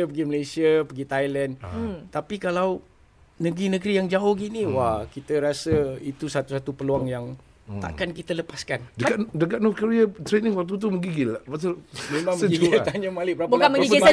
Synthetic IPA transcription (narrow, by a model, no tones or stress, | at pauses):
əpəɡiməlejsiəpəɡit̪ajlənt̪apikalaw | nəɡɾinəɡɾijaŋd͡ʒaʊhɡiniwakit̪əɾasəit̪usat̪usat̪upəluaŋjaŋ | t̪a̰ʔkankit̪ələpaskandəkadəkaʔ̚nɔfkəɾiat̪ɾenɪŋwat̪ut̪̬uməɡiɡɪlabasamemãŋiɡt̪aɲəmalɪbəɾabukanməiia